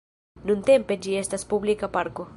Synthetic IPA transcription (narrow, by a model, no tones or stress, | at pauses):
nũnt̪emped͡ʒiest̪aspublikapaɾko